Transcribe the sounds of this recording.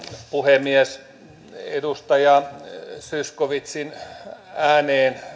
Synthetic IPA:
puhemːiɛs | ḛdust̪ɑjɑsyskoʋit̪sin | æːneːn

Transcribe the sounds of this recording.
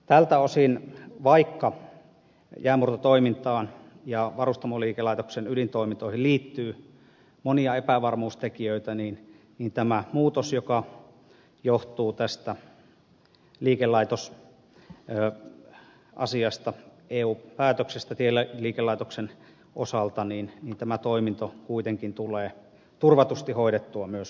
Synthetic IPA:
t̪ælt̪æosinʋɑikːɑ | jæːmurt̪ɑt̪oimint̪ɑːn | jɑʋɑrust̪ɑmoliːkelɑit̪oksenylint̪oˑimint̪oˑihilliːt̪ːyː | moniɑepæʋɑrmuːst̪ekiøit̪æniːn | niːnt̪æmæmuːt̪osjokɑ | joht̪uːt̪æst̪æ | liːkelːɑˑit̪os | ʔɑ̰siɑst̪ɑʔeːuːpæːt̪øksest̪æt̪ielːæliːkelːˑɑˑit̪oksen | ʔosɑlt̪ɑniːnniːnt̪æmæt̪oˑimint̪okuit̪eŋkint̪uleː | t̪urʋɑt̪ust̪ihoˑidet̪ːuɑmyøs

